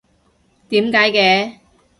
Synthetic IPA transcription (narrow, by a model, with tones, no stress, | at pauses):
t̪iː˨˥mkaː˨˥jkɛː˧